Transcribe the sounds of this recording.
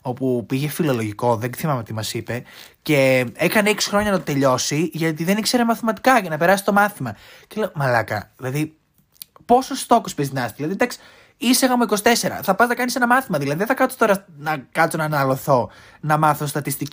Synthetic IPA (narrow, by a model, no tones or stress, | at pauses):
o̞pupiʝe̞filo̞lo̞ʝiko̞ðeθimɐmeot̪imɐsipe̞ | ce̞ekɐneeksi̥xɾo̞ɲɐnɐt̪ot̪e̞ʎo̞siʝɐt̪̬iðe̞nikse̞ɾemɐθimɐt̪i̥kɐʝɐnɐpe̞ɾɐsi̥t̪o̞mɐθimɐceleomɐlɐkɐ̰ðilɐði | po̞sost̪o̞kospezt̪inɐst̪ðilɐðid̪ɐksi̥ | iseɣɐmuiko̞si̥t̪e̞se̞ɾɐ̰θɐpɐznɐkɐnisenɐmɐθimɐðilɐðiðeθɐkɐt̪so̥t̪o̞ɾɐnɐkɐt͡sonɐnɐlo̞θo̞ | nɐmɐθost̪ɐt̪ist̪i